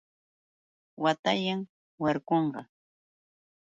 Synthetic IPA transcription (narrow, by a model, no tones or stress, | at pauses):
wat̪aʎaŋ | waɾkoɴɢɑ